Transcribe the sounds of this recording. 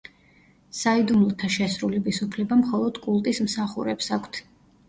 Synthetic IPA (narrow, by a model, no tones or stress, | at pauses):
said̪umlˠɔt̪ʰaʃɛsɾulɛbisupʰlɛbamχɔlˠɔd̪̥kʼulˠt̪ʼismsaχuɾɛpsakʷʰt̪ʰ